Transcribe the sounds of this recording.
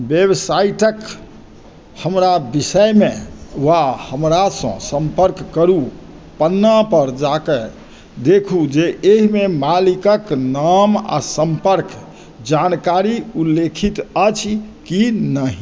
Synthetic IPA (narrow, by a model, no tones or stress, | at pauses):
bebsaiʈək | həmɾabisəjmẽwahəmɾasə̰̃sə̃mpəɾkːəɾu | pənːapəɾd͡ʒake | d̪ekʰud͡ʒeʔeɦimemalikəknama̰səmpəɾk | d͡ʒankaɾiulːekʰit̪ət͡ʃʰkinəɦi